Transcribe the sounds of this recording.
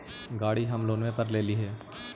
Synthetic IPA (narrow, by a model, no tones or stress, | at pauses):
ɡaːɽiɦɐmloːnʋẽpɐɾleːliɦɛː